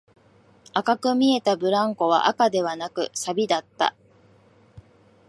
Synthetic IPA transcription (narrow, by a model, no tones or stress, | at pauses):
akakɯ̟mʲie̞t̪abɯ̟ɾãŋko̞βa̰ʔakad̪e̞β̞anakɯ̟̰sabʲid̪at̪ːa̰